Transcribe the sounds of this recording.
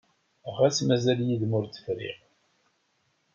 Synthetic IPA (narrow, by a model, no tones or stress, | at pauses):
ʁæt͡sːmæzæljiðmʊɾt̪ːə̥fɾḭʁ